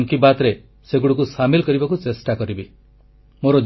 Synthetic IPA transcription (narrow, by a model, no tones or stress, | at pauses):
ŋkibat̪ɾe | seɡuɽukusamilkɔɾibakut͡ʃesʈakɔɾibi | moɾɔd͡ʒ